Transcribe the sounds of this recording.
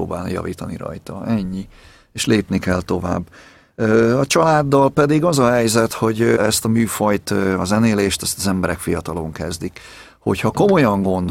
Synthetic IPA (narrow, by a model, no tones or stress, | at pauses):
o̰ːba̰ːlnjɒ̰vḭːt̪ɒnḭɾɒ̰jt̪ɒʔɛɲːi | eːʃleːpnikɛlt̪o̞va̰ːbː | øːɒt͡ʃɒlaːd̪ːɒlpɛd̪iɡɒzɒɦɛjzɛt̪ho̞ɟɛst̪ɒmyːfɒjt̪ːɒzɛneːleːʃt̪ɛst̪ɒzɛmbɛɾɛkfijɒt̪ɒlo̞ŋkɛzd̪ik | ho̞̰chɒko̞mo̞jɒŋɡo̞nd̪